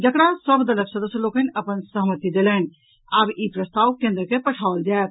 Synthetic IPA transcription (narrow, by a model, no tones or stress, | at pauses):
d͡ʒəkɽasəbd̪ɐləksəd̪əsjəloːkənɐpənsəɦmət̪id̪elɛːn | abipɾəst̪aːwkẽːnd̪ɾəkepɐʈʰaːʋld͡ʒɛːt̪̚